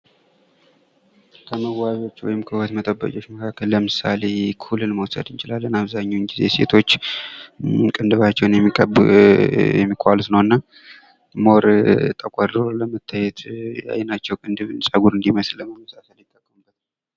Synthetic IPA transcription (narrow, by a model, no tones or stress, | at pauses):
kʰəməwaβiwo̞t͡ʃːwɔ̰jɪmkʰəhuwət̪mət̪ʼəbːə̰kʼo̞t͡ʃːməkʰakʰːəlːəmɨsa̰le̞kʰulːɨnməwsə̰d̪ɨnt͡ʃɪlalːənaβzaɲːunɡizese̞̰t̪ʰo̞t͡ʃː | kʼɨnd̪ɨβat͡ʃːɛwnjɛmːikʰʼə | jɛmːikʼalsnəwɨnːa | mo̞ɾt̪ʼəkʷʼadɾoləmət̪ʰːajɛt̪ja̰jɛnat͡ʃːɛwkʼɨnd̪ɨβɨnsʼəɡuɾɨnd̪iməsləməməsasəljɪt̪ʼːəkʼːəmubət̪n